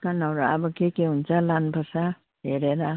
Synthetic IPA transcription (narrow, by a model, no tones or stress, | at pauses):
kanʌɾua̰bʌkekeɦunt͡sʰʌlanpʰʌsa | ɦeɾeɾa